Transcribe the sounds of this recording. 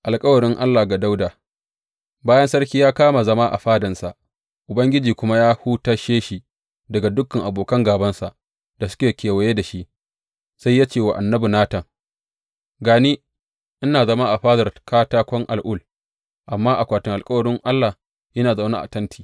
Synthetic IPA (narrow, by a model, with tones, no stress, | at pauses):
ʔa˨lkʼɐ˦wɐ˨ɽɪ˦ŋʔa˦lːa˨ɡa˨da˦wdaː˨ | baː˦jɐ˦nsɐ˦rkʲiː˦jaː˦kaː˦ma˨zɐ˦ma˦ʔa̰˨ɸaː˦dɐ˨nsa˨ʔ | ʔʊ˨bɐ˦ŋɡʲɪ˦d͡ʒiː˨kʷʊ˦ma˦jaː˦huː˦taː˦ʃeː˦ʃi˨ | dɐ˨ɡa˨dʊ˦kːɐ˨ŋʔa˨boː˨kɐ˦ŋɡaː˨bɐ˦nsa˨ʔ | d̥a˨sʊ̥˦kʲeː˨kʲeː˨wɐ˨jeː˦da˨ʃi˦ʔ | sa˦jːaː˦t͡ʃeː˨wa˨ʔa˨nːɐ˦bi˨naː˦tɐ˨ŋ | ɡaː˨niː˦ | ʔɪ˦naː˨zɐ˦ma˦ʔa˨ɸaː˦dɐ˨rkaː˦taː˦kʷɔ˦ŋʔa̰˨lʔʊ˦l | ʔa˨mːaː˦ʔa˨kʷaː˨tɪ˨ŋʔa˨lkʼɐ˦wɐ˨ɽɪ˦ŋʔa˦lːa˨ | jɐ˦naː˨za˨na̰˦ʔa̰˨tɐ˦ntʰi̥ː˨